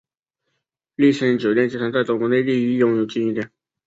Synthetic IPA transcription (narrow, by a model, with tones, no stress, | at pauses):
li˥˩ɕi˧˥ŋt͡ɕjo˨˩ʊt̪jɛ˥˩nt͡ɕi˥t̪ʰa˧˥nt͡sa˥˩ɪt̪ʊ˥ŋkwɔ˧˥ne˥˧ɪli˥˧i˥˧jʊ˥˩ŋjo˨˩ʊt͡ɕi˥i˥˩t̪jɛ˥˩˦n